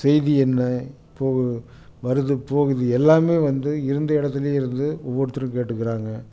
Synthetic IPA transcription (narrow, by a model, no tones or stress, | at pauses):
sɛjðiɛnːɐɪpːoːɣɯ | ʋɐɾɯðɯpoːɣɯðɯɛlːaːmeːʋɐnd̪ɯɪɾɯnd̪ɐɪɽɐt̪ːɪleɪɾɯnd̪ɯɔʋːoɽɯt̪ːɯɾɯ̃keːʈːɯkːɪɾaːŋɡɐ